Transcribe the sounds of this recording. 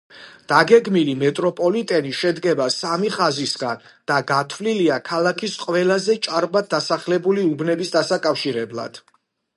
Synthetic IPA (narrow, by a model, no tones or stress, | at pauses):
d̪̥aɡɛɡmilimɛt̪ʼɾɔpʼɔlit̪ʼɛniʃɛd̪ɡɛbasamiχazisɡand̪̥aɡat̪ʰvliliakʰalakʰisqʼwɛlazɛt͡ʃʼaɾbad̪̚d̪asaχlɛbuliubnɛbisd̪asakʼafʃiɾɛblˠa̰d̪̥